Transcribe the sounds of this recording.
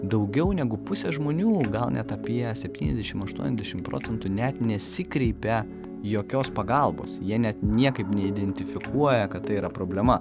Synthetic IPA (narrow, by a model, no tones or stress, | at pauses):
d̪ɐʊɡʲɛʊnʲɛɡʊpʊsʲɛʒmoːnʲuːɡɐlˠnʲɛt̪ɐpʲijɛsʲɛpʲt̪ʲiːnʲɛ̰zd̪ʲɛʃʲɪmɐʃt̪ṵɔnʲɛzd̪ʲɛʃʲɪmpɾo̰ːt͡s̪ʲɛnt̪ʊnʲɛt̪nʲɛsʲɪkɾʲɛɪpʲɛ | joːkʲoːspɐɡɐlˠbo̰ːsjiɛnʲɛt̪nʲiɛkɐɪpnʲɛɪd̪ʲɛnʲt̪ʲɪfʲɪkʰuɔjɛkɐt̪t̪ɐɪiːɾɐpɾoːbʲlʲɛmɐ